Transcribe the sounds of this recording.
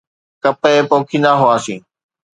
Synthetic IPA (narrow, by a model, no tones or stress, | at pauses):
kəpeːpõːkʰiːnaɦʊaːsḭ̃ː